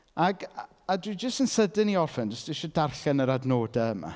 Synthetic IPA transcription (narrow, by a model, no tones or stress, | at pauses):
aɡ | adwɨd͡ʒəstənsədɪniɔrfɛnd͡ʒəsd̥ɪʃɔdarɬɛnəɾadnoːdaəma̰